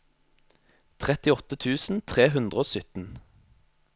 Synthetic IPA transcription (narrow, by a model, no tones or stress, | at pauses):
t̪ʰʁɛt̪ɪɔt̪ət̪ʰʉːsn̩t̪ʰʁeːɦʉnd̪ʁəoːsʏt̪n̩